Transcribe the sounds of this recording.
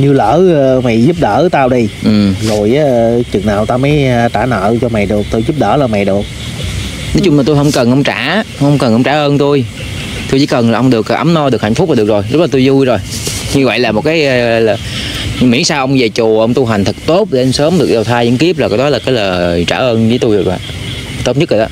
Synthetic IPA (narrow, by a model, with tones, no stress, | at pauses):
ɲɨ˧ləː˧˥ma˨˩jzu˦˥p̚ɗə̰ː˧˥t̪aː˧wɗi˧ʔɨ˨˩mzo˨˩jʔaː˨˦t͡ɕɨ˨˩ŋnaː˨˩wt̪aː˧məː˨˦jt̪aː˧˩nə̰ː˧˨t͡ɕɔ˧ma˨˩jɗɨ˨˩ək̚t̪o˧jzu˦˥p̚ɗə̰ː˧˩laː˨˩ma˨˩jɗɨ˨˩ək̚ | nɔ˨˦t͡ɕʊ˧ŋ͡mmaː˨˩t̪u˧jɦə˧wŋ͡mkə˨˩nʔə˧wŋ͡mt͡ɕaː˧˩˦hə˧wŋ͡mkə˨˩nʔə˧wŋ͡mt͡ɕaː˧˩ʔəː˧nt̪u˧j | t̪u˧t͡ɕḭ˧˦kə˨˩nlaː˨˩ʔə˧ŋ͡mɗɨ˨˩ək̚ːʔə˨˦mnɔ˧ɗɨ˨˩k̚ha˧˩ŋ̟fʊ˦˥k͡p̚a˨˩ɨ˨˩ək̚zo˨˩jzə˦˥t̚laː˨˩t̪jzu˧jzo˨˩jɲɨ˧vwə̰˧˨jlaː˨˩mo˨˩t̚kaː˨˦jʔlaː˨˩ | mḭ˧˥əŋsaː˧ʔə˧wŋ͡mze˨˩t͡ɕu˨˩ʔə˧wŋ͡mt̪u˧ɦa˨˩jŋ̟t̪ʰɨ˨˩k̚t̪o˦˥t̚ɗe˨˧msəː˨˦mɗɨ˨˩ək̚ɗə˨˩wt̪ʰaː˧jɲɨ̰˧˥ŋki˦˥əp̚aː˨˩kaː˨˦jɗɔ˨˦laː˨˩kaː˨˦jləː˨˩t͡ɕa̰ː˧˩ʔəː˧nvəː˨˦jt̪u˧jzo˨˩wa̰ː˧˨ʔ | t̪o˦˥t̚ɲɨ˦˥k̚laː˨˩ɔː˨˧˦